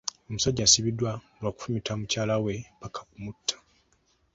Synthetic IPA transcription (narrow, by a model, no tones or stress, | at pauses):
o̞musaɟːasiβidːwaolwaku̥fumitʰamucaːlawe̞pakʰḁkumutʰːḁ